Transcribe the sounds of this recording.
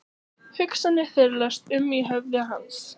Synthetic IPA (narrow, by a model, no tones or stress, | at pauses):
hʏksanːɪθɛɾlast̪ʏmiɦɛvlɪaɦans